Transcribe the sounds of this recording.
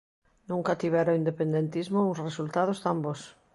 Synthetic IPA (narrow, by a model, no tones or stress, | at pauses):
nũŋkat̪iβ̞ɛɾoind̪epẽnd̪ent̪izmousresult̪aðost̪ambos